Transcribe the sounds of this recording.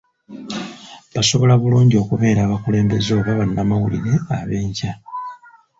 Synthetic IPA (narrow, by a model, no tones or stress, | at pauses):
βaso̞βo̞laβuluːɲɟo̞kuβe̞ːɾaːβakule̞ːmbe̞zo̞ːβaβanːamawulḭɾe̞aβe̞ːɲca